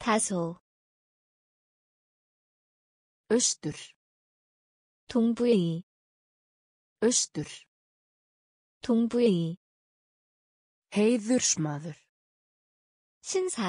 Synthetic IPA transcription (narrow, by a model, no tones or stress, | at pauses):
t̪ʰaso | œɥst̪ʏɾ̥ | t̪oŋpujei | œɥst̪ʏɾ̥ | t̪oŋpujei | hejðʏɾ̥smaːðʏɾ̥ | ɕʰinsʰa